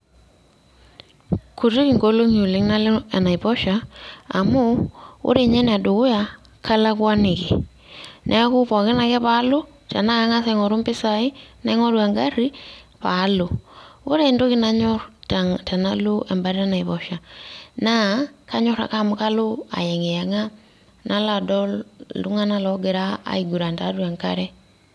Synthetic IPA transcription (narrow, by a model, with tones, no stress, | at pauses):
ku˨ɾi˦kɪ˨ŋɡo˦lo˦ŋu˨lɪ˨ŋna˦lɛ˨na˨i˨bɔ˦ʃaː˨mʊ˦o̰˦ɾe˨ɲɛ˦n˨a˨dʊ˨kʊ˦ja˨ | kʰa˦la˦kwa˦nɪ˨kɪ˨ | nʔɛ˦a˦kʊ˦pa˨kɪ˦na˨kɛ˦pa˨˦lʊ˦ | tɛ˨na˦a˨˦ŋa˦sɛ˨ŋɔ˨ɾo˦mbɪ˦sa˨ɪ˦na˨˦ŋɔ˦ɾwa˨ŋɡa˦ri˦ | pa˨˦lo˨o˦ɾe˦˨ndo˦ki˦na˦ɲɔ˦ɾtata˨na˦lo˦ʔɛ˨mba˨ɾa˦na˨i˨βɔ˨ʃa˨na˦ka˦ɲɔ˦ɾa̰˨ka˦˨m˦ka˦lo˦a̰˨jɛ˨ŋe˨ja˨ŋa˦ | nʔa˦la˨dɔ˦llu˦ŋa˦na˦lɔ˨˦ɡe˨ɾa̰ː˦˨i˨ɡu˨ɾa˨nta˨˦dwa˨ŋka̰˦ɾɛ˦